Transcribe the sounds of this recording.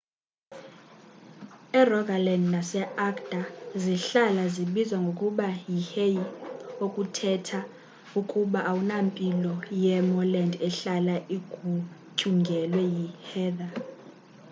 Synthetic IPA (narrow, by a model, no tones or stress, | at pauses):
ɛrɔɡalɛndnasɛakd̥aziɬalaziɓizwaŋɡʱokʼuɓajihejiokʼutʰɛtʰa | ukʼuɓaʔawunampʼilɔjɛmɔlɛndɛɬalaʔiɡ̥ʱucʰʼuŋɡʱɛlwɛjihɛːda